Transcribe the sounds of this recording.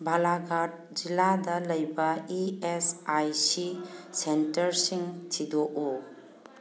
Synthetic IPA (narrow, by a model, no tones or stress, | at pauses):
bʱalaɡat̚d͡ʒiladɐlɐjbɐiesajsisentɐɾsiŋt͡ʃidoʔu